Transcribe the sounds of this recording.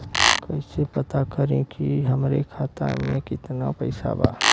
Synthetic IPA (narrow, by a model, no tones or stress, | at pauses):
kɐisepɐt̪akɐɾẽkiɦɐmɾekʰaːt̪a̰mẽkɪt̪napɐɪsa̰ba̰ː